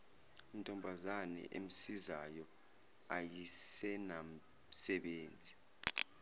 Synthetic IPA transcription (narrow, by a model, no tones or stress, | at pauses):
im̩tʼɔmbʱazanɛ̰ʔem̩sizajɔ | ajisɛnam | sɛɓeːnd͡zʱi